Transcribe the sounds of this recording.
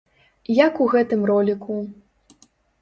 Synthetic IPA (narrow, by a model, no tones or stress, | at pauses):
jakuɣɛt̪ɨmrɔlʲiku